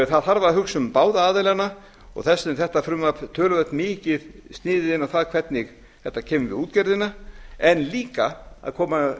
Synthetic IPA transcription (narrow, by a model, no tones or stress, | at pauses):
θaðθaɾvaɦʏksʏmpaːwðaaːðɪlɛɣana | ɔ̰ɣθɛsːɛmθɛht̪afɾʏmːapt̪ʰœːlʏvɛt̪mɪːcɪðst̪nɪːðɪðɪnːawθaðkʰvɛt̪nɪɣ | θɛht̪ːacʰɛːmʏvɪ̰ðuːt̪cɛɾðɪnaɛnːliːkaa̰ðkʰɔːma